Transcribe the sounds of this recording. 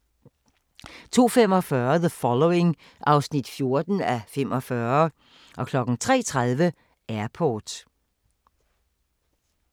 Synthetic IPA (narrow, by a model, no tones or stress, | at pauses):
t͡sʰo̝̰ːfem̰ɒ̽fɶɐðəfɒ̽loe̝ŋ | ʔɑ̈ʊsnid̥fjo̝ɐd̥n̩æfem̰ʔɒ̽fɶɐ | ʔɒ̽kʰlɒ̽ɡ̥n̩t͡sʰʁɛ̰ːt͡sʰʁað̞ˠʋə | æɐpʰɔːd̥